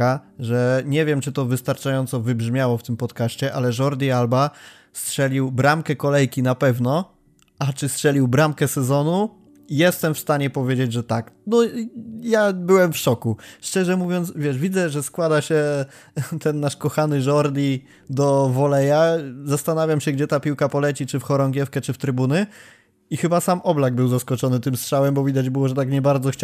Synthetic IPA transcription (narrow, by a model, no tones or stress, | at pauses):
aʐɛɲɛvʲjɛmt͡ʂɘt̪ɔvɘst̪aɾt͡ʂajɔnt̪sɔvɘbʐmʲjawɔft̪ɘmpɔt̪kaɕt͡ɕɛʔalɛʐɔɾd̪ʲialba | stʂɛlʲiwbɾamkɛkɔlɛjkʲinapɛvnɔ | ʔat͡ʂɘstʂɛlʲiwbɾamkɛsɛzɔnu | jɛst̪ɛmfst̪aɲɛpɔvʲjed͡ʑed͡ʑʐɛt̪aknɔjabɘwɛmfʂɔkuʂt͡ʂɛʐɛmuvʲjɔnt̪svʲjɛʂvʲid̪zɛʐɛskwad̪aɕɛ | t̪ɛnːaʂkɔxanɘʐɔɾd̪ʲi | d̪ɔvɔlɛjazast̪anavʲjamɕɛɡd͡ʑɛt̪apʲiwkapɔlɛt͡ɕit͡ʂɘfxɔɾɔŋɡʲjɛfkɛt͡ʂɘft̪ɾɘbunɘ | ixɘbasamʔɔblaɡ̚bɘwzaskɔt͡ʂɔnɘt̪ɘmstʂawɛmbɔvʲid̪ad͡ʑbɘwɔʐɛt̪akɲɛbaɾd̪zɔxt͡ɕ